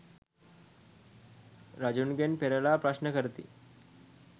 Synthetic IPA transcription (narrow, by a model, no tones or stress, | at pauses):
ɾad͡ʑunɡenpeɾalapɾaɕnəkəɾt̪ḭː